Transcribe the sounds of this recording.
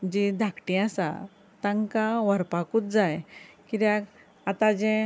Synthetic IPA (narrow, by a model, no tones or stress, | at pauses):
d͡ʑid̪ʱakʈĩasa̰ | t̪ãŋkaʋəɾpakuːt͡s̪d͡zajkit̪jãk | at̪ad͡ʑɛ̃